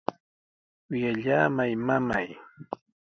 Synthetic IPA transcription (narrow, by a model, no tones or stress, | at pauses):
jaʎaːmajmamaj